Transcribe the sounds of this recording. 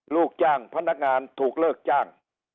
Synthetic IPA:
luː˥˩k̚t͡ɕaː˥˩ŋpʰa˧˥˩na˦˥˩k̚ŋaː˧nt̪ʰuː˨˩k̚lɤː˥˩k̚t͡ɕaː˥˩ŋ

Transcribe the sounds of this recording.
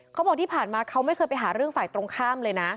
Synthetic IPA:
kʰa˦˥wbɔː˨˩k̪̚ʰiː˥˩pʰaː˨˩nmaː˧kʰa˦˥wma˥˩kʰɤː˧jpa˧jɦaː˩˦ɾɯ˥˩əŋfaː˨˩jt̪ɾo˧ŋkʰaː˥˩mlɤː˧jna˦˥

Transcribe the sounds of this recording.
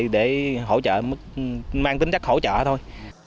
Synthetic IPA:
ɗe˧˩ɦo̰˧˩t͡ɕə̰ː˧˨mɨ˦˥k̚maː˧ŋt̪ï˨˦ŋ̟t͡ɕa˦˥k̚ho̰˧˥˦t͡ɕə̰ː˧˨t̪ʰo˧j

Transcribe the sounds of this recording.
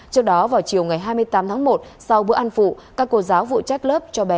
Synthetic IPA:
t͡ɕɨ˦˥ək̚ɗɔ˨˦vaː˨˩wt͡ɕi˨˩əwŋa˨˩jɦaː˧jmɨ˧əjt̪aː˨˦mt̪ʰaː˨˦ŋmo˨˩t̚sa˧wɓɨ̰˧˥əʔa˧nfṵ˧˨kaː˦˥kːo˧zaː˨˦wvṵ˧˨t͡ɕa˦˥jk̟̚ləː˦˥p̚t͡ɕɔ˧ɓɛ˨˦

